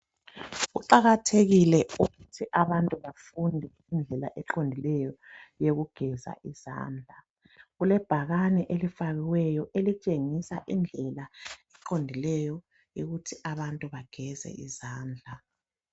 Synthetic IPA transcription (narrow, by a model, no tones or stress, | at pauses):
uǃaɣatʰeɣilɛuɣutʰiʔaβantʼuβafundʱɛ | ind͡ɮʱɛla̰ʔɛǃondʱilɛjɔjeɣuɡ̥ʱɛza̰ʔiz̥a̰ːnd͡ɮʱa | ɣulɛb̥ʱaɣanɛʔelifaɣiwɛjɔʔelit͡ʃʼeŋisaʔind͡ɮʱɛlaɛǁondʱilɛjɔ | joɣutʰiʔaβantʼuβaɡ̥ʱɛzɛ̰izaːnd͡ɮʱa